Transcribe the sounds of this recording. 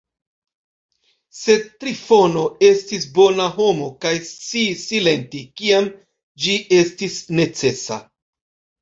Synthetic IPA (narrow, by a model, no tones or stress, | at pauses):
se̞tɾifo̞no̞e̞stisbo̞naɦo̞mo̞kajst͡sisile̞ntikiam | d͡ʒiʔe̞stisne̞t͡se̞sa̰